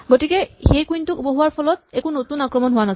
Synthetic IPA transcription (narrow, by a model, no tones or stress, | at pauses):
ɡotikɛxejkujntʊkuboɦuwaɹpʰɔlɔt̚ɛkunotunakɹɔmɔnɦʊwanɔ